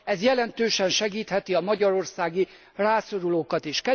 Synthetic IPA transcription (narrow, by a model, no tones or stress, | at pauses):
ɛzjɛlɛnt̪øːʃɛnʃɛɡiːt̪hɛt̪iɒmɒɟɒɾo̞rsaːɡi | raːso̞ɾuloːkɒt̪eːʃkɛ